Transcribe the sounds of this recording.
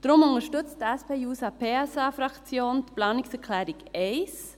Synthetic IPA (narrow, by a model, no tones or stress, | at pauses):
d̥ɾʊmʊnəʃtʏt͡stdɛspʰeːjuːsɑpʰeːɛsɑːfɾɑkt͡sjoːntplɑːnɪksɛkʰlɛːɾɪɡɛɪs